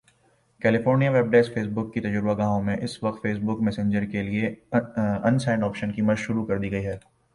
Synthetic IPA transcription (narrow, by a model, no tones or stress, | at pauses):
kɛːlɪfoːɾnijaʋeːb̚ɖeːsfeːsbʊkːit̪ɐd͡ʒʊɾbaɡãːɦõmẽʔɪsʋɐqt̪feːs̬bʊkmɛːsẽɲd͡ʒəɾkelie | ɐ̃nsaːɪ̃ɳɖɔːpʃənkimɐd͡ʒʃʊɾukɐɾd̪iːɡɐiɦɛː